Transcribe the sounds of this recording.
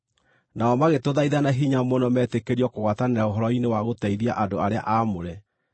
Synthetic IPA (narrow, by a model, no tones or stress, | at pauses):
naɔmaɣetoðaiðanaɦiɲamɔnɔmɛːtekeɾiɔkoɣwataneɾaoɦɔɾɔinewaɣotaiðiaʔadoaɾea̰ʔamoɾɛ